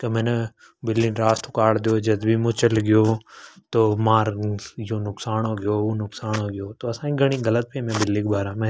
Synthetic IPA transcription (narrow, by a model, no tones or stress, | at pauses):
kemɛne | bɪlːinɾaːst̪ʊkaːɽd̪ijod͡ʒɐd̪bʱimʊ̃t͡ʃəlɡɪjot̪oːmaːɾjonʊksaːnɦoːɡɪjounʊksaːnɦoːɡɪjoːt̪oɐsãːkiɡʱɐɽ̃iɡɐlət̪̚bimẽbɪlːikbaːɾãːmɛ̃